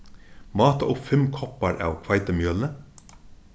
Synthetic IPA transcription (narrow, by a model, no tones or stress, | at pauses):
mɑːt̪ɑʔʊpfɛmkʰɔpɑɾʔɑ̰ːʋkʰʋɑɪt̪əmjœːlnə